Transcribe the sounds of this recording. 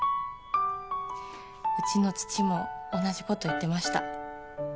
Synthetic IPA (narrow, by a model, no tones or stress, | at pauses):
ɯ̟t͡ɕino̞t͡sɨ̥t͡ɕimo̞ːnaʑiko̞t̪o̞it̪ːe̞maɕi̥t̪a̰